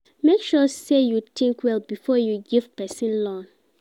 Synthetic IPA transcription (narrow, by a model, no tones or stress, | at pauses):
mekʃɔsejutʰĩŋkwɛlbifɔjuɡiv̥pɛsĩnlɔ̃n